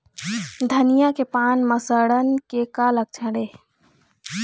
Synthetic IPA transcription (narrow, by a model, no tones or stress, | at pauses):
d̪ʱənijakepanməsəɽənkekalək̚t͡ʃʰəɽe